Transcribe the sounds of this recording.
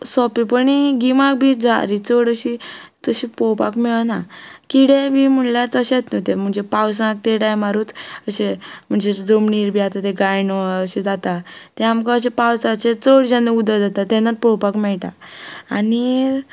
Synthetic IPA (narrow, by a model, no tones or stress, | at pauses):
sɔpipəɳiɡimak̚bʱid͡za̰ɾit͡soɽəɕitəɕipɔwpa̰kmɛɭnakiɽebim̤əɳljaɾt͡səɕet͡s̪nɔt̪em̤əɳd͡zepaws̬ãk̚t̪eʈajmaɾuːt͡səɕem̤əɳd͡ʑed͡zomɳiɾbʱiat̪at̪eɡajnɔəɕed͡zat̪at̪ɛamkaəɕ̬epawsaɕet͡soɽd͡ʑãneud̪əd͡zat̪at̪ɛ̃nːat̪̚pɔpakmɛɭʈa̰ani